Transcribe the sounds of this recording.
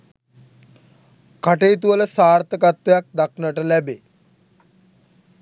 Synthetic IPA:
kaʈejːt̪̬uʋələsaːrt̪əkat̪ʋəjak̚d̪aknəʈəlæbe

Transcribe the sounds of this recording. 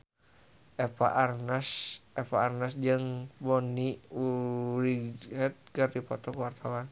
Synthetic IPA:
epa̰ʔarnasɛpaːrnasd͡ʒəŋbɔniuɾiɦɛt̪̚kɨrdipɔt̪ɔkəwart̪awan

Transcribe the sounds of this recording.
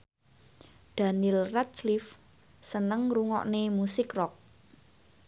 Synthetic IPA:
d̪̥a̤nilrat̪̚slif | sənəŋruŋɔ̰ʔnemusɪkrɔk̚

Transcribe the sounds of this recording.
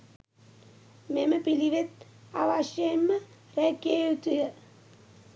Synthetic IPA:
meməpiliʋet̪̚ | a̰ʋaʃjeemːə | ɾækjejut̪ujə

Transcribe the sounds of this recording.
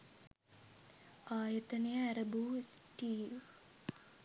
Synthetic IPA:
aːjɐt̪ɐnijəæɾɐbuːsʈiː

